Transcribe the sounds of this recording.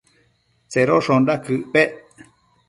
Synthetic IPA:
t͡seɾoʂõndakɨʔpeʔ

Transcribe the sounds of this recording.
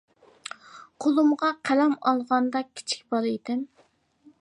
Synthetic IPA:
qʰolˠumʁɑqʰælɛmɑ̰lˠʁɑnd̪ɑkʲʰi̥t͡ʃʰi̥k̚ʲb̥ɑlɨjd̪ɪm

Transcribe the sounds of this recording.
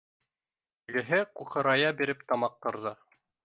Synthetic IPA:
ɘɡɘ̆ɦɘquqɤ̆ɾɑjɑbiɾɘpt̪ɑmɑq̚t̪ɤ̆ɾðɤ

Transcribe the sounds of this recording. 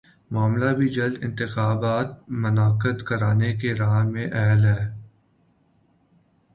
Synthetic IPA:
maːmlabʱid͡ʒɐld̪ɪ̰̃nt̪ɪxaːbaːt̪̚mɐnaːqət̪kɐɾaːnekeɾaːɦmẽʔɛɦlɦɛː

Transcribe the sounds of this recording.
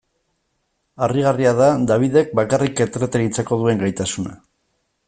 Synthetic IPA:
ariɣariaðad̪aβ̞iðe̞k̚bakarike̞t̪ɾet̪eɣit͡seko̞ðue̞ŋɡajt̪asuna̰

